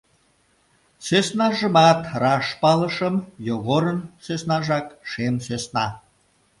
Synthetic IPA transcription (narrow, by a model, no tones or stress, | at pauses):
søsnɑʒəmɑt̪rɑʃpɑləʃəmjoɣoɾənsøsnɑʒɑkʃemsøsnɑ̰